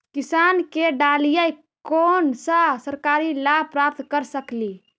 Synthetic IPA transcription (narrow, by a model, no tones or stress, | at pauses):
kɪsaːnkeɖaːlijaj | koːnsasəɾkaːɾilaːpɾaːp̚t̪kəɾsəkliː